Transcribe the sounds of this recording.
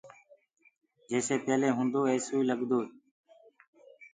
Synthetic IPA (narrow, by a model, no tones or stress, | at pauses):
d͡ʒeːseːpeːleːɦʊ̃ːnd̪oːeːsuːiːləɠd̪oː